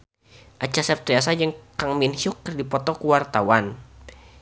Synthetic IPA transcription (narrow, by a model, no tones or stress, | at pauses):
ʔat͡ʃasɛp̚t̪ɾias̬ad͡ʒɨŋkaŋminhʊkːərdipɔt̪ɔkuwart̪awan